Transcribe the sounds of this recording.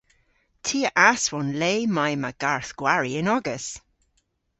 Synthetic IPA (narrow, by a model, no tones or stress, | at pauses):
tʰiːəʔaswɔnleːmajmaɡ̥aɹθɡ̥waɹiɪnɔɡəs